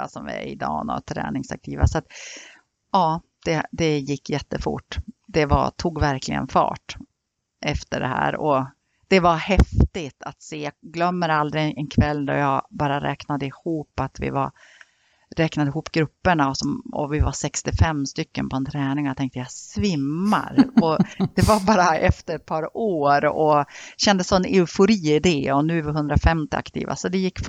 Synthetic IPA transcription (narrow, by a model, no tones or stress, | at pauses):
a̰sɔmvɪ̰ɛɪd̪ɑ̰ːnɔ̰t̪ʰɾɛ̰ːnɪŋsa̰k̚t̪ʰiːva̰sat̪ | ɑː | d̪̥ɛd̪ɛjɪkːjɛt̪ːəfʊ̰ʈːd̪ɛva̰t̪ʰuːɡvæɾklɪ̰ɡə̰nfɑ̰ːʈ | ʔɛft̪əɖɛ̰hæ̰ːɾɔ | d̪̥ɛvahɛft̪ɪt̪ʰat̪seːjɑɡlœmːəɾald̪ɾɪʔɛnkʰvɛlːd̪ɔ̰jɑɡbɑːɾaɾʔɛːknad̪əɪhuːpːat̪vɪ̰va̰ | ɾɛːknad̪ɪɦuːpɡɾɵpːəɳaɔsɔmɔ̰vɪvasɛkst̪ɪfɛmːst̪ʏkːə̰npʰɔɛnt̪ʰɾɛːnɪŋjat̪ʰɛŋkt̪əjasvɪmːa̰ɾɔd̪̥ɛvabɑːɾaʔɛft̪əɾɛt̪̚pʰɑːɾoːɾɔɕɛnd̪əsɔɛnɛʉfʊɾiːɪd̪ɛːɔnʉ̟æɾvɪɦɵnd̪ɾafɛmt̪ɪa̰kt̪ʰḭːva̰sɔd̪ɛjɪkːf